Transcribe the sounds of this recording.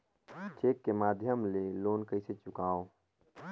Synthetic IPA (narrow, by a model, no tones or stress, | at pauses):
t͡ʃeːkːemaːd̪ʱjəmleloːnkəɪset͡ʃʊkaːo